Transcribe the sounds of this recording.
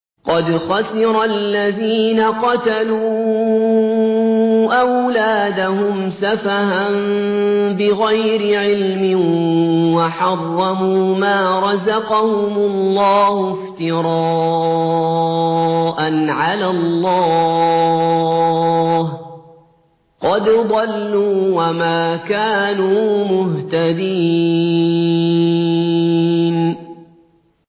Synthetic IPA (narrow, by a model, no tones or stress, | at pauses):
qɑd̪xɑsɪɾˤalːaðiːnaqɑt̪aluː | ʔawlaːd̪ahʊmsafahan | bɪɣajɾɪʕɪlmɪnwaħɑrˤːɑmuːmaːɾˤɑzɑqɑhʊmʊlːɑːhʊft̪ɪɾˤɑː | ʔanʕalalˤːɑː | h | qɑd̪d̪ˤɑlːuːwamaːkaːnuːmʊht̪ad̪iː | n